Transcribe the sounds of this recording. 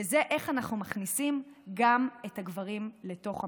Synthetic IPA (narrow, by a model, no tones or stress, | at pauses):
eze̞ʔe̞χanaχnumaχnisimɡame̞thaɡvaʁimle̞to̞χa